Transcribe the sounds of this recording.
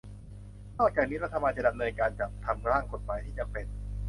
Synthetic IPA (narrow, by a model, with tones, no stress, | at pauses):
nɔː˥˩k̚t͡ɕaː˨˩k̚niː˦˥ɾa˦˧wt̪ʰa˧maː˧jt͡ɕa˨˩da˧mnɤː˧nkaː˧nt͡ɕaː˨˩k̚t̪ʰa˧mkɾaː˥˩ŋko˨˩t̪̚maː˨˦jt̪ʰiː˥˩t͡ɕa˨˩k̚pe˨˩n